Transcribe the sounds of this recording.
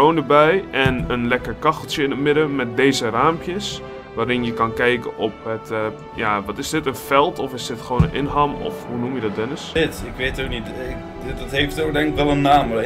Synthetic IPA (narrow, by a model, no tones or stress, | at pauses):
oːndəbɛjʔɛnənlɛkərkɑxəlˠtjəɪnətmɪdəmɛt̚deːzəraːmpjəs | ʋaːɾɪnjəkɑnkɛjkəʔɔp̚ət | jaʋɔtɪsdɪtənfɛlˠtʰɔfɪsdɪtxəʋoːnənʔɪnɦamɔ̰fhunumjədɔt̚dɪnəsɪtɪkʋeːtoknitɪ | dɔtɦeftoːdɛŋɪkʋɛlˠənːaːm